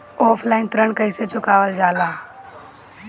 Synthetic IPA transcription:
ɔːpʰlaːɪnt̪ɾəɳkəɪset͡ʃʊkaːʋəld͡ʒaːlaː

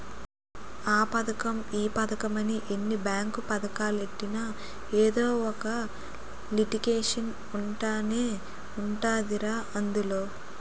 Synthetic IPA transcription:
aːpɐd̪ɐkɐmiːpɐd̪ɐkɐmɐniʔenːibaːŋkupɐd̪ɐkaːlueʈːina | eːd̪oːɔkɐ | liʈiɡeːʂɐn | uɳʈaːneː | uɳʈaːd̪iɾaːʔɐnd̪ulo̞ː

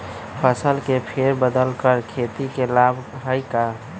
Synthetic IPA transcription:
pʰəsəlkepʰeɾbəd̪əlkəɾkʰet̪ikelabɦəjka

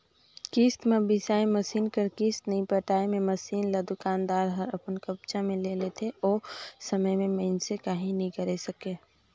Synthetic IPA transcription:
kiːst̪mebɪsaːiməsiːnkəɾkiːst̪nɐĩpəʈaːemẽməsiːnlad̪ʊkaːnd̪aːɾɦəɾəpənkəb̚t͡ʃamẽlelet̪ʰeɔːsəməjmẽməɪnsekaɦĩnĩɡəɾesəke

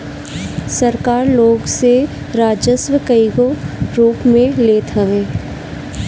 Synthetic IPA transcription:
sɐɾkaːɾloːɡse | ɾaːd͡ʒəsʋəkəiɡoɾuːpmẽleːt̪ʰɐʋẽː

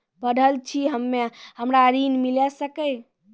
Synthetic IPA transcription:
bəɖʱəlt͡ʃʰiɦəmːehəmɾaɾinmilɛsəkəj

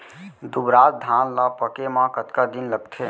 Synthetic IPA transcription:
d̪ubɾaːt̪̚d̪ʱanlapəkemãkət̪kad̪inləɡt̪ʰe

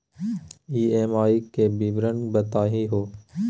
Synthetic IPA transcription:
iːeːmaːiːkeːbiːʋɾənbət̪aːɦiːɦoː

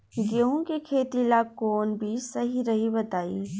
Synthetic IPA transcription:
ɡeɦũkikʰeːt̪ilakoːnbʱisɐɦiɾɐɦibɐt̪aːiː

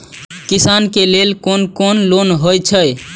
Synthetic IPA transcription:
kisankelelkonkonlonɦojt͡ʃʰəj

